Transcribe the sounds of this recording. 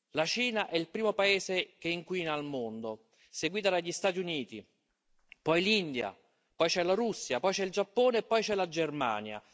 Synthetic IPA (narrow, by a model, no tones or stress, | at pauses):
lat͡ʃiːnaʔɛilpɾiːmopaeːsekeiŋkwiːnaːlmond̪o | seɡwiːt̪ad̪aʎːist̪aːt̪iuniːt̪i | pɔjlind̪ja̰ | pɔjt͡ʃɛlaɾusːjapɔjt͡ʃɛild͡ʒapːoːneːpːɔjt͡ʃɛlad͡ʒerma̰ːnja̰